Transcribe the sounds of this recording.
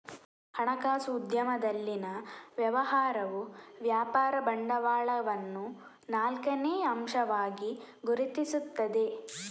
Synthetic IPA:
hɐɳɐkaːsuːd̪jɐmɐd̪ɐlːinɐʋjɐʋɐɦaːɾɐʋuʋjaːpaːɾɐbɐɳɖɐʋaːɭɐʋɐnːu | naːlkɐneːɐmʃɐʋaːɡi | ɡuɾit̪isut̪ːɐd̪e̞

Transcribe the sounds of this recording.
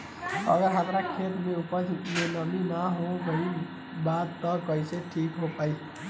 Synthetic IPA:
ə̰ɡəɾɦəmɾakʰeːt̪mẽʊpəst̪ɪt̪mẽnəminaɦõɡəi | bad̪t̪ɔkəiseʈʰiːkɦopaːi

